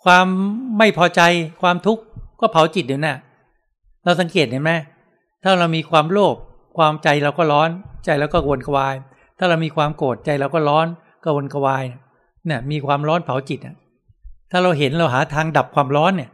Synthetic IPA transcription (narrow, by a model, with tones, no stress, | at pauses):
kʰwaː˧mːa˥˩jpʰɔː˧t͡ɕa˧jkʰwaː˧mt̪ʰu˦˥kːɔː˥˩pʰa˨˦wt͡ɕi˨˩t̪̚juː˨˩na˧˥˩ | ɾa˧wsa˨˩˦ŋkeː˨˩t̪̚niː˧˥˩mɛ˦˥ | t̪ʰaː˥˩ɾa˧wmiː˧kʰwaː˧mɾoː˥˩p̚ | kʰwaː˧mt͡ɕa˧jɾa˧wkɔː˥˩ɾɔː˦˥nt͡ɕa˧jlaː˦˥wkɔː˥˩wo˧nka˧waː˧j | t̪ʰaː˥˩ɾa˧wmiː˧kʰwaː˧mkoː˨˩t̪̚t͡ɕa˧jɾa˧wkɔː˥˩ɾɔː˦˥n | ka˧˩wo˧nka˧waː˧jna˥˩ | na˥˩ɐmiː˧kʰwaː˧mɾɔː˦˥npʰa˨˩˦wt͡ɕi˨˩t̪̚ʔa̰˨˩ | t̪ʰaː˥˩ɾa˧wɦe˩˦nɾa˧wɦaː˩˦t̪ʰaː˧ŋda˨˩p̚kʰwaː˧mɾɔː˦˥nːi˧˥˩